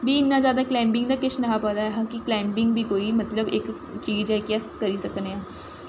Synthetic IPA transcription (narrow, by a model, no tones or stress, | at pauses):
biːɪnːãːd͡ʒjaːd̪aːklɛ̃ːmbɪŋɡd̪aːkɪʃʰnəɦãːpəd̪aːɛɦãːkɪklɛ̃ːmbɪŋɡbʱiːkoːiːmət̪ləbɪk | t͡ʃiːzɛːkɛskəɾiːsəkneːãː